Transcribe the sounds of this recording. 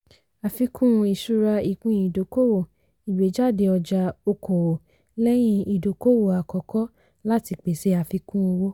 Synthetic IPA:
a˨fi˧kũ˦˧i˨ʃu˧ɾa˧i˨kũ˧i˨do˨˦ko˦wo˦˨ | i˨we˨˦d͡ʒa˦˨de˧ɔ˧d͡ʒa˧o˧ko˨wo˨ | lɛ˦j̃ĩ˦i˨do˨ko˦wo˦˨a˨kɔ˨kɔ˦ | la˦ti˧k͡pe˨se˧˦a˧˨fi˧kũ˦˧wo˦

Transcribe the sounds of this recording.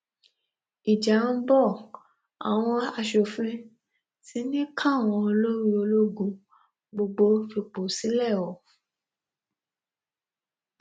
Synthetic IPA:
i˨d͡ʒã˨˦bɔ˦˨ | a̰˨w̃ɔ̃˧a˧ʃo˨fĩ˦ | ti˨˦nĩ˦kʰã˦˨w̃ɔ̃˧o˧lo˦ɾi˧o˧lo˦ɡũ˦ | ɡ͡bo˧ɡ͡bo˧fi˧k͡po˨si˨˦lɛ˦˨wɔ˨

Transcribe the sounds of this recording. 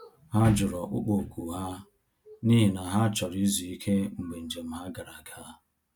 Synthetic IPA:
ha˦d͡ʒʊ˨ɾɔ˨ʔʊ̰˦k͡po˨ku˨ɦa˦ | ni˦ɦi˨na˨ɦa˦t͡ʃɔ˨ɾi˦zi˨i˦kʰe˦ŋ͡m̩˨ɡ͡be˨n̩˨d͡ʒe˨m̩˦ɦa˦ɡa˨ɾa˨ɡa˦

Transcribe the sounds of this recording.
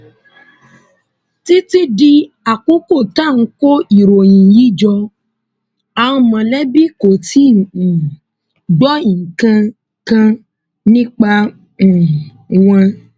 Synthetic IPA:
ti˦ti˦di˦ | a˨ko˦ko˦˨ta˦˨ŋ̩˦ko˦i˨ɾo˨jĩ˨ji˦d͡ʒɔ˧ | ã˨ũ˧˦mã˨lɛ˦bi˦ko˨tʰĩ˦˨ | dɔ˦ĩ˨ŋ˨kã˧ | kã˧ | nĩ˦k͡pã˧˨ | wã˧

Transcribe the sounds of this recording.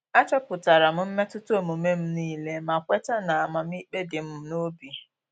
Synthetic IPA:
a˦t͡ʃɔ˦pʊ˨ta˨ɾa˨m̩˦m̩˦me˦tʊ˦tʊ˦o˨mu˨me˦m̩˦niː˦le˦ma˨kʷe˦ta˦na˨a˨ma˨m̩˦i˦k͡pe˦dɪ˨m̩˦no˦bi˨

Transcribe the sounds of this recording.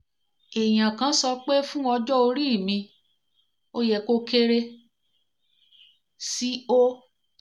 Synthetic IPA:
e˨j̃ã˨kã˨˦sɔ˧k͡pe˦fũ˦ɔ˧d͡ʒɔ˦o˧ɾi˦˨mĩ˧ | o˧jɛ˨ko˦ke˦˧ɾe˧ | si˦o˦

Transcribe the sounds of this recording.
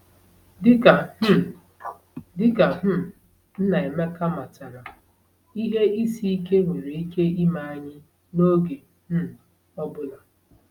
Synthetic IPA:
dɪ˦ka˨˦ | dɪ˦ka˨ɦ̩˦˨ | n̩˦na˨e˨me˦ka˦ma˨ta˨ɾa˨ | i˦ɦe˦ʔi˦si˦i˦ke˦ŋʷe˨ɾe˨i˦ke˦i˦ma˨a˨ɲɪ˦ | no˦ɡe˨ | m̩˦˨ | ɔ˦bʊ˦la˨

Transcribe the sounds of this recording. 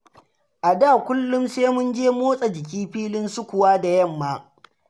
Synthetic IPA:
ʔa˨daː˦˨kʷʊ˦lːʊ˦mseː˦mʊ˦nd͡ʒeː˦moː˦sʼa˨d͡ʒɪ˨kʲiː˦ɸiː˦lɪ˦nsʊ˦kʷʊ˨waː˦da˨jɐ˦˨mːaː˦

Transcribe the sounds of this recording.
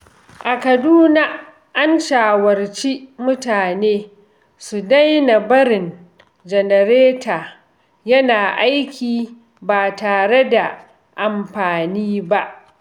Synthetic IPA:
ʔa˨kɐ˨duː˦na˦ | ʔa˦nʃaː˨wɐ˨rt͡ʃi˦mʊ˦taː˨neː˦ | su˨da˦jna˨bɐ˦ɾɪ˨n | d͡ʒɛ˨nɛ˨ɾeː˦taː˨ | jɐ˦naː˨ʔa˦jkʲʰiː˨ | baː˨taː˨ɽe˦da˨ | ʔa˨mɸaː˨niː˦ba˦ʔ

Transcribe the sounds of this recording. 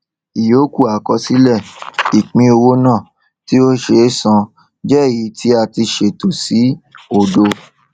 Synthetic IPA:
i˨jo˨˦ku˦˨a˨kɔ˧si˨˦lɛ˦˨i˨k͡pĩ˧˦o˧wo˦nãː˦˨ | ti˦o˦ʃe˧˦sã˧ | d͡ʒɛ˦˨ji˨˦tʰi˦a˧ti˧ʃe˧˨to˨si˨˦o˦˨do˧

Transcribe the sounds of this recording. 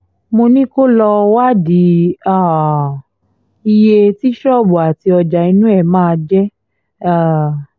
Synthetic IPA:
mo˧nĩ˦ko˦lɔ˧wa˦di˨˦a˦˨ | i˧je˧ti˦ʃɔ˦˨bo˨a˨ti˧ɔ˧d͡ʒa˨i˧nũ˦ɛ˦˨mãː˦˧d͡ʒɛ˦˨

